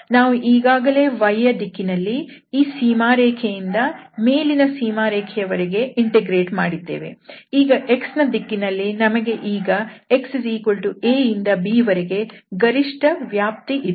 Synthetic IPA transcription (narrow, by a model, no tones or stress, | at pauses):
naːʋuʔiːɡaːɡɐle̞ːʋɐjɐd̪ikːinɐlːi | iːsiːmaːɾeːkʰejind̪ɐmeːlinɐsiːmaːɾɛːkʰɛjɐʋɐɾeɡe̞iɳʈeɡɾe̞ːʈmaːɽid̪ːe̞̰ːʋḛiːɡɐʔe̞ksnɐd̪ikːinɐlːinɐmɐɡe̞ʔiːɡɐekssiːkoɭʈueːjind̪ɐbiːʋɐɾeɡe̞ɡɐɾiʂʈɐʋjaːp̚t̪iʔi